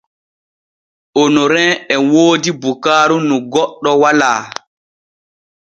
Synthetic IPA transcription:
onoɾɛ̃ɛwoːdibukaːɾunuɡɔɗːɔwalaː

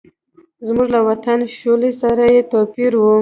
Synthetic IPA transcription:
zmuʐlawat̪anʃolesaɾajet̪ɑpiɾwu

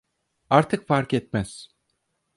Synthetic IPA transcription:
aɾt̪ʰɯkfaɾkɛt̪̚mæz̥

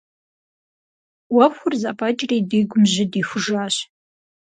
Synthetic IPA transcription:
wɐpxʷʊrzaːpʰʼɐd͡ʒʼriːdiːɡʷʊmʑɪdiːxʷʊʒaːɕ

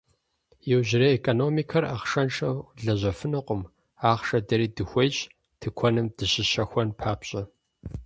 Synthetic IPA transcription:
jɪwʑɪɾɐekʼoːnoːmikʰɐraχʂɐnʂɐwɮɐʑɐfɨnɨqʷʊm | aːχʂɐdɐɾiːdɨxʷɔɕ | tʰɨkʷʰɔnɨmd̥ɨɕɪɕɐxʷɔnpʰaːpɕʼɐ

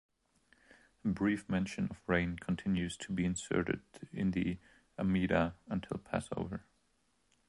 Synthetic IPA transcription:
əbɹifmɛ̃nʃɨ̃nʌvɹẽɪ̃nkʰn̩tʰɪ̃njʉz̥tʰəbiɨ̃nsɜ̰˞ɾɨ̰ɾɪ̃nðḭ | əmiɾəə̃ntʰɪlˠpʰæ̰so̰ʊvə˞

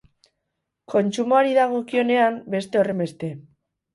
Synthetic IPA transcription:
ko̞nt͡ʃumoaɾiðaɣ̞o̞kio̞ne̞ambe̞st̪e̞o̞re̞mbe̞st̪e̞

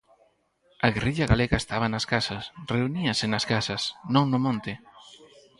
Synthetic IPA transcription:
ɐɣerʔiʎɐɣaleɣaest̪aβɐnɐskasɐsreuniɐsɪnɐskasɐsnõŋnʊmõnt̪ɪ

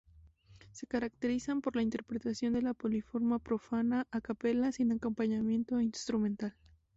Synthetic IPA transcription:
se̞kaɾakt̪e̞ɾisampo̞ɾlaint̪e̞ɾpɾe̞t̪asjo̞nd̪e̞lapo̞lifo̞ɾmapɾo̞fanaʔakape̞lasinako̞mpaɲamje̞nt̪o̞inst̪ɾumẽ̞nt̪al

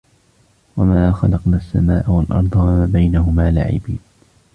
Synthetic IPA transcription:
wamaːxɑ̰lɑqnaːasːa̰maːʔawalʔɑ̰ɾˤd̪ˤɑwaabajnaɦʊmaːla̰ʕɪ̰biːd̪

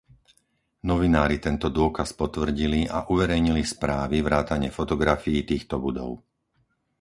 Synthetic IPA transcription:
nɔʋinaːɾit̪ɛnt̪ɔd̪ʊɔkaspɔt̪ʋr̩ɟiliʔaʔuʋɛɾɛjɲilispɾaːʋivɾaːt̪aɲɪɛfɔt̪ɔɡɾafijːt̪iːxt̪ɔbud̪ɔ̰ʊ

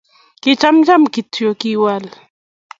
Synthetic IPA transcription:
ket͡ʃamd͡ʒamkit̪ʰjokiwal

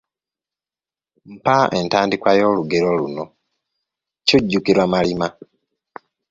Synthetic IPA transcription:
m̩paʔentaːndikwajo̞ːluɡeɾo̞luno̞ | cuɟːukiɾwamalima

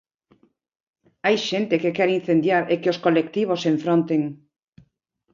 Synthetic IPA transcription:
ajʃent̪ekekɛɾin̟θend̪jaɾekeoskolekt̪iβ̞oseɱfɾõnt̪eŋ

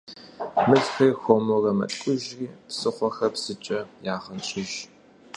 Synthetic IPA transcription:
mɨɮxeːxʷomorɐmɐ̰tʼkʷʼʊʒriːpsɨχʷɔxɐpsɨt͡ʃʼɐjaːχɐnɕʼɪʒ

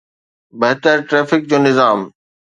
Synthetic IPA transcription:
bɐɦt̪əɾʈɾɛːfɪk̚d͡ʑoːnɪzaːm

